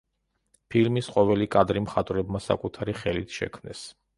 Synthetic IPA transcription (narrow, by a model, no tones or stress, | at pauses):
pʰilmisqʼɔvɛlikʼad̪ɾimχat̪ʼvɾɛbmasa̰kʼut̪ʰaɾiχɛlit̪ʰʃɛ̰kʰmnɛ̰s